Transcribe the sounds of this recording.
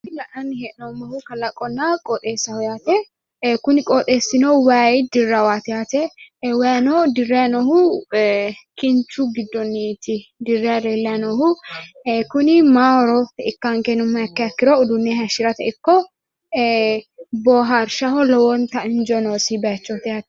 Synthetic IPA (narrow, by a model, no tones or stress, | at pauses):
ɪlɐʔɐnːɦɛʔnɔmɐhʊkɐlɐkʼɔnːakʼɔt̪ʼeːsːɐhɔjaːt̪ɛ | kʊnɪkʼɔt̪ʼeːsːɪnowaːjɪd̪ɪrːɐwaːt̪ɪjaːt̪ɛwanod̪ɪrːenɔhʊ | kɪnt͡ʃuɡɪd̪ːɔnːit̪ɪd̪ɪrːeɾeːlːɐnɔhʊ | kʊnɪmaːɔɾɔt̪ɛɪkːaːŋkɛnʊmːɐɐkːɛɐkːɪɾoʊd̪ʊnːeɦɐʃɪɾɐt̪ɐɪkːɔ | bɔːɦaɾʃɐhɔlɔwɔnt̪ɐɪnd͡ʒɔnoːsibɐɐt͡ʃːot̪ɪhaːt̪ɛ̥